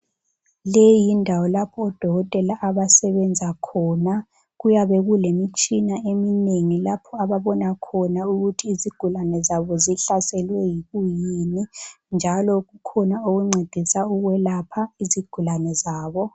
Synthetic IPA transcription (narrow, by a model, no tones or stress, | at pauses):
lejindʱawɔlapʰɔːd̥ʱɔɣɔtʼɛlaʔaβasɛβɛnd͡zʱakʰɔːna | ɣujaβɛɣulemit͡ʃʼinaemineŋilapʰɔaβaβɔnakʰɔnauɣutʰiːziɡ̥ʱulanɛzaβɔziɬasɛlwɛjiɣujini | nd͡ʒʱalɔɣukʰɔnaoɣuŋ͡ǀʱed̥ʱisauɣwɛlapʰaiziɡ̥ʱulanɛzaːβɔ